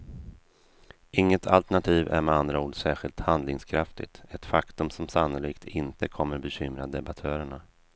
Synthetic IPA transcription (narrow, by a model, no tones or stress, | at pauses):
ʔɪŋːət̪ʰalt̪æɳat̪ʰiːvæ̰ɾmɛand̪ɾauːɖsæːɧɪlt̪hand̪lɪŋskʰɾaft̪ɪ̰t̪ɛt̪fakt̪ɵmsɔmsanːʊliːkt̪ʰɪnt̪əkʰɔmːəɾbɛɕʏmɾad̪ɛbat̪ʰœːɾəɳa